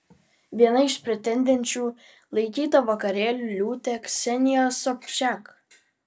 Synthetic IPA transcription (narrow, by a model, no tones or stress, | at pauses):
ʋʲiɛnɐɪʃpʲɾʲɛt̪ʲɛnʲd̪ʲɛnʲt͡ʃʲuː | lˠɐɪkʲiːt̪ɐʋɐkɐɾʲeːlʲuːlʲuːt̪ʲɛksʲɛnʲɪjosɔpʲʃʲæk